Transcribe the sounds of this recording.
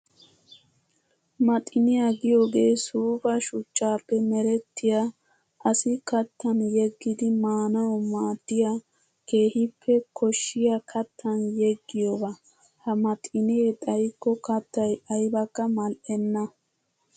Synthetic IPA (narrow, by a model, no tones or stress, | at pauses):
mɐt̪ʼɪnɪjaɡɪjo̞ːɡeːsuːbɐʃʊt͡ʃːaːpːɛmɛɾɛt̪ːɪja | ʔɐsɪkɐt̪ːɐnjɛɡːɪd̪ɪmaːnɐwɔmaːd̪ːɪja | ke̞ːhɪpʰːɛkʰɔʃːɪjakʰɐt̪ʰːɐnjɛɡːɪjobɐ | hɐmɐt̪ʼɪnɪet̪ʼɐjkːɔkɐt̪ːɐjɐjbɐkːɐmɐlʔɛnːɐ